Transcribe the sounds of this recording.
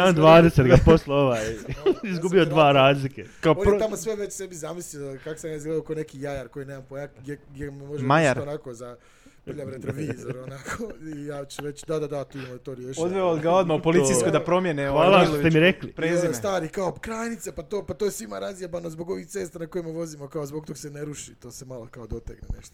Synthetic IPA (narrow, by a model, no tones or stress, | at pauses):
and̪ʋaːd̪eset̪ɡaposleoʋaːjizɡubiod̪ʋaːɾaːzlikekaooneamosʋeʋet͡ɕsebizamislikakosamjaizɡleokaonekiːjajaɾko̞jineːmampojaɡjeɡjememoʒemajɾonakoza | iʎamɾet̪ɾoʋiːzoɾonakʰoijat͡ʃuʋe̞t͡ɕd̪ad̪ad̪at̪uːmot̪oɾiujeʃod̪ʋeod̪ɡaod̪maupoliijsskod̪apɾomjeneoalˠaot̪emmiɾeklipɾezist̪aːɾikaokɾaːjnit̪sepat̪oːpat̪ojesʋimaɾazjabanozboɡo̞ʋixt̪e̞ːst̪anako̞jimeʋo̞zimokaozboɡ̚t̪o̞ɡse̞neɾuʃit̪o̞ːsemalokaod̪o̞t̪ekneneʃt̪o